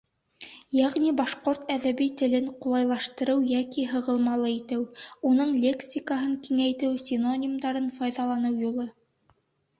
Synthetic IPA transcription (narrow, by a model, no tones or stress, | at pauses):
jæʁnibɑʃqoɾt̪æðæβit̪ɘ̆lɘɴqulˠɑjlˠɑʃt̪ɤ̆ɾɤwjækiɦɤ̆ʁɤ̆lˠmɑlˠɤit̪ɘwunɤɴlʲe̞ksʲikaɦɤɴkiŋæjt̪ɘwsʲino̞nʲimd̪ɑɾɤnfɑjðɑlˠɑnɤwjulˠɤ